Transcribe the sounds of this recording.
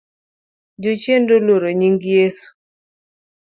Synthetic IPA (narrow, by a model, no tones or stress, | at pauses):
d͡ʒot͡ʃjendoloɾoɲiŋɡjesu̥